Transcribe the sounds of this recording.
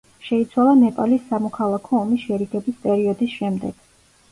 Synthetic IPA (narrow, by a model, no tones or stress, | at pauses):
ʃɛit̪sʰwalˠanɛpʼalisːamɔkʰalˠakʰɔːmisʃɛɾiɡɛbispʼɛɾiɔd̪isʃɛmd̪ɛɡ̥